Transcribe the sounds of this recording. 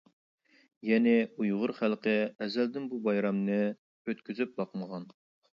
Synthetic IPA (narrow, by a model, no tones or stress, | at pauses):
jɛnɪujʁʊɾχælˠqəɛzæld̪ɪnbubɑjɾɑmnɨ | øt̪kʲʰyzyp̚bɑqməʁɑn